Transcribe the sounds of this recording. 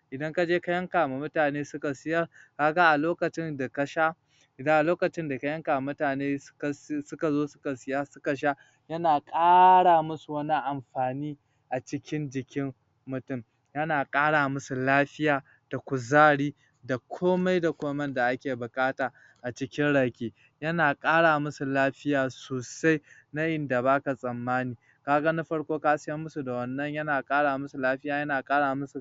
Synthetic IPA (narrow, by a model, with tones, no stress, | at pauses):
ʔɪ˨dɐ˦ŋka˦d͡ʒeː˦ka˦jɐ˦ŋkaː˨ma˨mʊ˦taː˨neː˦sʊ˦ka˨sɪ˦jɐ˦ka˦ɡa˦ʔa˨loː˦kɐ˨t͡ʃɪ˦nda˨ka˨ʃa˦ | ɪ˨dɐ˦ŋʔa˨loː˦kɐ˨t͡ʃɪ˦nda˨ka˦jɐ˦ŋkaː˨mʊ˦taː˨neː˦˨ssʊ˦ka˨zoː˦sʊ̥˦ka˨sɪ˦jaː˦sʊ̥˦ka˨ʃ̬a˦ | jɐ˦naː˨kʼaː˦ɽaː˨mʊ˦su˨wɐ˦ni˦ʔa˨mɸaː˨niː˦ | ʔa˨t͡ʃɪ˦kʲɪ˦nd͡ʒɪ˨kʲɪ˦mː | ʊ˨tʊ˦˨m | jɐ˦naː˨kʼaː˦ɽaː˨mʊ˦su˨laː˦ɸɪ˦jaː˨ | d̥a˨kʷʊ˨zaː˦ɽiː˦ | da˨kʷʰoː˦ma˦jda˨kʷoː˦mɐ˦nda˨ʔa˦kʲeː˨bʊ˨kʼaː˦taː˨ | ʔa˨t͡ʃɪ˦kʲɪ˦nɽaː˨kʲeː˦ | jɐ˦naː˨kʼaː˦ɽaː˨mʊ˦su˨laː˦ɸɪ˦jaː˨soː˨sa˦j | na˦ʔɪ˨nda˨baː˦ka˨sʼɐ˨mːaː˦niː˨ | kaː˦ɡa˦na˦ɸɐ˦ɽkʷoː˦kaː˦sɪ˦jɐ˦mːʊ˦su˨da˨wɐ˨nːɐ˦ɲjɐ˦naː˨kʼaː˦ɽaː˨mʊ˦su˨laː˦ɸɪ˦jaː˨jɐ˦naː˨kʼaː˦ɽaː˨mʊ˦su˨